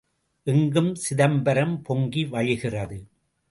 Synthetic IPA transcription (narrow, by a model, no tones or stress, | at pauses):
ʔɛŋɡɯmsɪðɐmbɐɾɐmpɔŋɡiʋɐɻɪɣɪrɐðɯ